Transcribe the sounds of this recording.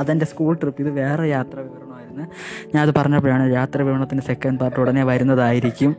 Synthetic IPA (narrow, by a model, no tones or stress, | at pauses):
ɐðendeskuːɭʈripːiðɨʋe̞ːrejaːt̪rɐʋiʋɐɾɐɳɐmaːjiɾunːɨ | ɲaːnɐðɨpɐrɐɲːɐp̬ːojaːɳɨjaːt̪rɐʋiʋɐɳɐt̪ːindese̞kːɐɳɖpaːrʈːuɽɐneʋɐɾunːɐðaːjiɾikʲːum